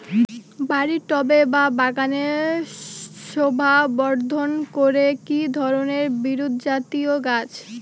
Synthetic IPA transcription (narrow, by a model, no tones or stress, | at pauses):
baɾiʈɔbebabaɡaneɾ | ʃobʱabɔɾd̪ʱonkoɾekid̪ʱɔɾoneɾbiɾod̪ʱd͡ʑat̪ioɡat͡ɕ